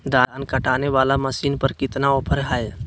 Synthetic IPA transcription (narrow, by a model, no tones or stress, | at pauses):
d̪aːnkəʈaːneʋaːlaməsiːnpəɾkɪt̪naoːpʰəɾɦaj